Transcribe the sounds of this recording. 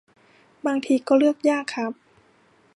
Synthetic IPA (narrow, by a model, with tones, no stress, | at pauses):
baː˧ŋt̪ʰiː˧kɔː˧˩lɯ˥˩ək̚jaː˥˩kʰːa˦˥˩p̚